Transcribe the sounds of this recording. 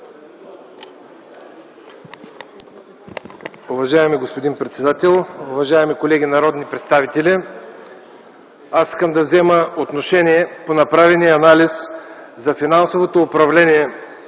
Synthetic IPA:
ʊvɐʒaɛmiɡospod̪inpɾɛt̪sɛd̪at̪ɛlˠʊvɐʒaɛmikolɛɡ̟ʲinɐɾɔd̪nipɾɛt̪st̪avit̪ɛli | asi̥skəmd̪ɐvzɛməot̪noʃɛniɛponɐpɾavɛniɐnaliszɐfinansovot̪oːpɾɐvlɛniɛ

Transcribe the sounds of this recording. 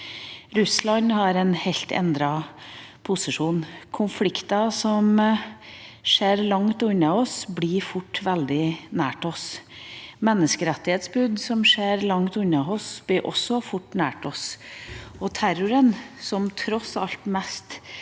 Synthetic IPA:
ɾʉslɑɲhɑɾɛnhɛlt̪ʰɛ̰nd̪ɾɑpʰʊsɪʂuːnkʰʊnflɪkt̪ɑsɔm | ʂeːɾlɑŋt̪ʉnːɑɔsbliːɾfʊʈːʋɛld̪ɪnæːʈɔs | mɛnːəskəɾɛt̪ːɪheːt̪sbʉd̪sɔmʂeːɾlɑŋt̪ʉnːɑɔsb̥lɪɾʔɔ̰sːɔfʊʈːnæ̰ːʈɔs | ɔt̪ʰæɾʊɾənsɔmt̪ʰɾɔsɑ̰lt̪mɛst̪

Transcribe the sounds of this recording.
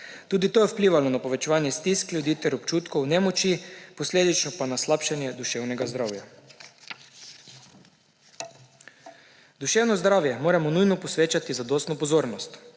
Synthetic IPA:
t̪uːd̪it̪oːjɛwpliːʋalɔnapoʋɛt͡ʃɛʋaːnjɛst̪isklʲjud̪iːt̪ɛɾɔpt͡ʃuːt̪kɔwnɛmɔt͡ʃipɔsleːd̪it͡ʃnɔpanaslapʃanjɛd̪uʃɛwnɛɡazd̪ɾaːwja | d̪uʃɛːwnɔzd̪ɾawjɛmoːɾamɔnujnɔpɔsʋeːt͡ʃat̪izad̪oːst̪nɔpɔzoːɾnɔst̪

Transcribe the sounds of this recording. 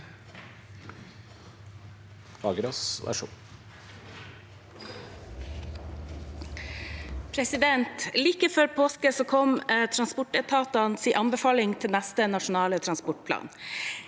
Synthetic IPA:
ɑ̰ːɡəɾɔsɔ̰æ̰ʂṵː | pʰɾɛsɪd̪ɛnt̪liːkəfɔɾpʰoːskəsoːkʰɔmt̪ʰɾɑnspʊʈɛt̪ʰɑːt̪ɑnsiːʔɑnbəfɑːlɪŋt̪ʰɪlnæst̪ənɑʃʊnɑːlət̪ʰɾɑnspɔʈ̚pʰlɑ̰ːn

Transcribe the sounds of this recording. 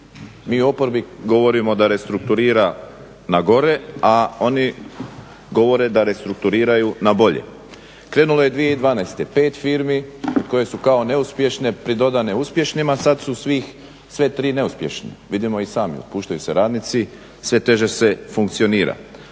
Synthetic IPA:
miːuo̞po̞ɾbiɡo̞ʋo̞ɾimo̞d̪aɾe̞st̪ɾuk̚t̪uɾiːɾa | naɡo̞ɾe̞ao̞ni | ɡo̞ʋo̞ɾe̞d̪aɾe̞st̪ɾuk̚t̪uɾiːɾajunabo̞ʎḛ | kɾe̞ːnulo̞je̞d̪ʋije̞id̪ʋaːnast̪epe̞ːt̪fiːɾmiod̪̚ko̞je̞sukao̞ne̞uspje̞ʃne̞pɾid̪o̞d̪ane̞uspje̞ʃnimasad̪susʋix | sʋe̞t̪ɾiːne̞uspje̞ʃnḛʋid̪imo̞isaːmḭo̰puːʃt̪ajuse̞ɾaːd̪nit̪si | sʋe̞t̪e̞ʒe̞se̞fuŋk̚t̪sio̞niːɾa̰

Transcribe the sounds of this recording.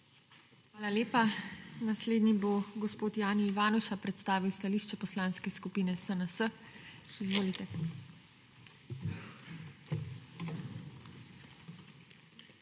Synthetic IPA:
xxʋaːlaleːpanasleːd̪niboɡɔspoːt̪jaːniːʋaːnɔʃapɾɛt̪st̪aːʋiwst̪aliːʃt͡ʃɛpɔslãːnskɛskupiːnɛsənəsə | izʋoːlit̪ɛ

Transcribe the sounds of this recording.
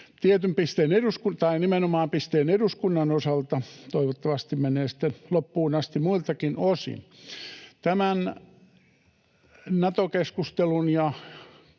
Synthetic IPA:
t̪iet̪ympist̪eːneɾuskunt̪ɑinimenomɑːmpist̪eːneduskunːɑnosɑlt̪ɑt̪oiʋot̪ːɑʋɑst̪immeneːsi̥t̪ːenlopːuːnɑst̪imuilt̪ɑkinosḭn | t̪æmæn | nɑt̪okeskust̪elunjɑ

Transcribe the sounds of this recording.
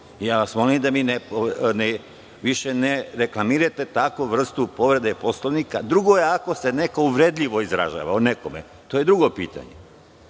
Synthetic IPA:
ijaːʋasmo̞limd̪aminepone | ʋiʃeneɾeklˠamiɾat̪e̞t̪akoʋr̩st̪upo̞ʋɾe̞d̪epo̞slˠoʋnikad̪ɾuɡo̞je̞ako̞se̞ne̞kouʋɾe̞d̪ʎʲiʋo̞izɾa̰ʒa̰ːʋa̰uneko̞mḛ | t̪oje̞d̪ɾuɡo̞piːt̪a̰ɲḛ

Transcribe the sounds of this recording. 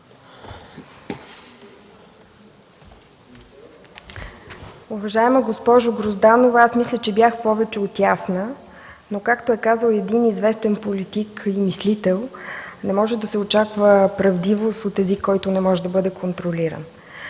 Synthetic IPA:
uvɐʒaɛməɡospɔʒʊɡɾozd̪anovəasmislʲət͡ʃɛbʲjaxpɔvɛt͡ʃɛot̪jasnə | nokakt̪oɛkazəlˠɛd̪inizvɛst̪ɛnpolit̪ikimislit̪ɛlˠnɛmɔʒɛd̪ɐsɛot͡ʃakvəpɾɐvd̪ivost̪ot̪ɛzikːɔjt̪ʊnɛmɔʒɛd̪ɐbɤd̪ɛkʰont̪ɾoliɾə̰n

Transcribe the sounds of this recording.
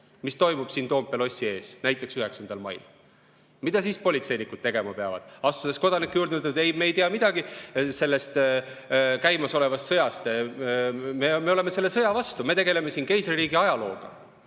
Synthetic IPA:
mist̪o̞jmub̥siːnt̪o̞ːmpːˑelo̞sʲːie̞ːsnæjt̪ːˑe̞ksyhe̞ksɑnd̪̥ɑlmɑ̰jl | mid̪̥ɑs̬ispo̞lʲit̪se̞jnikːˑud̪̥t̪e̞ɡ̥e̞mɑpeɑ̰vɑ̰d̪̥ɑst̪ud̪e̞sko̞d̪̥ɑnikːˑejuːɾd̪nud̪t̪e̞jmeːjt̪iɑmid̪̥ɑɡise̞lːe̞st̪ | kæjmɑso̞le̞vɑst̪sɤjɑst̪ | meme̞o̞le̞me̞se̞lːe̞sɤjɑvɑst̪ume̞t̪e̞ɡe̞le̞me̞sinke̞jsriːɡiɑjɑlo̞̰ːɡ̥ɑ̰

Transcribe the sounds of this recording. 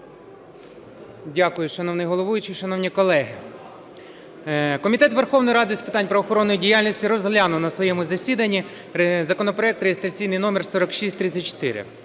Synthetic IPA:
dʲakʊjʊʃɐnɔwnɪjɦɔlˠɔʋujʊt͡ʃɪʃɐnɔʋnʲikɔlˠɛɦɪ | kɔmʲit̪ɛt̪ʋerxɔʋnɔjɾɑd̪ɪsʲpɪ̥t̪ɑnʲpɾɐʋɔxɔɾɔnːɔjidʲijalʲnʲisʲtʲiɾɔzɦlʲanʊnɐsʋɔjɛmʊzɐsʲid̪ɐnʲːi | zɐkɔnɔpɾɔɛkt̪ɾejest̪ɾɐt͡sʲijnɪjnɔmɛrsɔɾɔkʃisʲtʲt̪ɾɪt̪ʲt͡sʲɐt̚ʲt͡ʃɔ̥t̪ɪ̰ɾɪ̰

